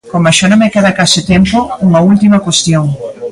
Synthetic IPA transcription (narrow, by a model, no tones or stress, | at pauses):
komaʃanõmekeðɐkasɪt̪empouŋɐult̪imɐkwest̪joŋ